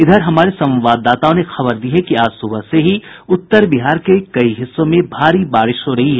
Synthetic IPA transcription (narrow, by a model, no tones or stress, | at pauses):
ɪd̪ʱəɾɦɐmaːɾesɐ̃mʋaːd̪ːaːt̪aõnexɐbəɾd̪iɦekiaːd͡ʒsʊbʱəɦseɦiʊt̪ːəɾbɪɦaːɾkekɐiɦɪsːõmẽbʱaːɾibaːɾɪʃɦoɾɐɦiɦɛː